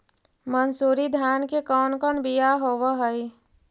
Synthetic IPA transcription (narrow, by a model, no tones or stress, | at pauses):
mənsuːɾid̪ʱjaːnkekɔːnkɔːnbijaɦoːwəɦəi